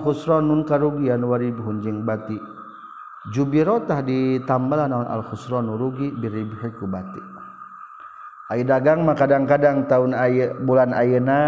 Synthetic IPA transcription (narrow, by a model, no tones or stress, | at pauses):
xusɾɔnːunkaɾuɡianwaɾibuɦund͡ʒiŋbat̪i | d͡ʒubiɾɔt̪ahdit̪ambalanauna̰lxusɾɔnuɾuɡibiɾibuhikubat̪i | aidaɡaŋmakadaŋkadaŋt̪aunajbulana̰jəna